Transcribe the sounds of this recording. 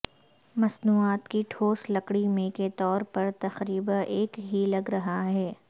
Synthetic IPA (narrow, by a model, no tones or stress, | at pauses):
mɐsnuːaːt̪kiʈʰoːslɐkɽimẽket̪ɔːɾpɐɾt̪ɐxɾiːbə̃ʔeːkɦilɐɡɾɐɦaɦɛː